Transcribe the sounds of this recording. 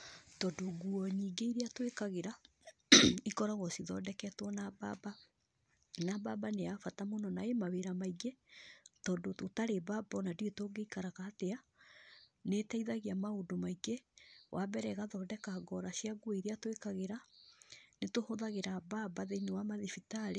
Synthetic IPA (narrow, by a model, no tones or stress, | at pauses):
tɔdoɡuɔɲiːɡeiɾeatwekaɣeɾa | ikɔɾɔɣɔsiðɔdɛkɛtwɔnababa | nababaneafatamonɔnaemaweɾamaiɡetɔdototaɾebabɔnadietoːɡeikaɾaɣaːtea | netaiðaɣiamaondomaiɡewʔabɛɾɛɣaðɔːdɛkaɡɔɾaɕiaɡuweiɾeatwekaɣeɾa | netohoðaɣeɾababaðeinewamaðifitaɾe